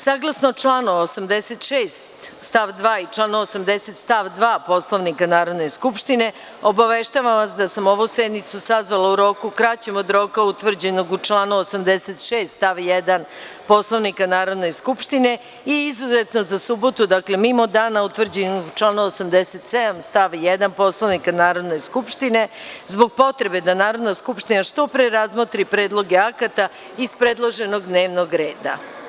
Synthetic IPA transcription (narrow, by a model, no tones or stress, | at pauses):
saːɡlˠasnot͡ʂlˠaːnoosamd̪eset̪ʃeːst̪st̪aʋd̪ʋaːit͡ʂlˠaːnoosamd̪eset̪st̪aʋd̪ʋaːpo̞sloʋnikanaːɾo̞d̪ne̞skupʃt̪ine̞ | obaʋeʃt̪aʋamʋasd̪asamo̞ʋused̪nit̪susazʋalˠauɾo̞ːkukɾat͡ɕemod̪ɾo̞kaut̪ʋr̩d͡ʑenoɡut͡ʂlˠaːnuosamd̪eset̪ʃeːst̪st̪aʋjed̪an | po̞slˠoʋnikanaːɾo̞d̪ne̞skupʃt̪ine̞ | iizuze̞t̪no̞zasubo̞t̪ud̪akle̞mimo̞d̪aːnaut̪ʋr̩d͡ʑenoɡut͡ʃlˠaːnuosamd̪eset̪se̞d̪amst̪aʋjed̪anpo̞slˠoʋnikanaːɾo̞d̪ne̞jskupʃt̪ine̞zbo̞ɡ̚po̞t̪ɾe̞be̞d̪anaːɾo̞d̪naskupʃt̪inaʃt̪o̞pɾeɾazmot̪ɾipɾeːd̪lˠo̞ɡeakat̪a | ispɾed̪lˠoʒe̞no̞ɡd̪ne̞ːʋno̞ɡɾe̞ːd̪a̰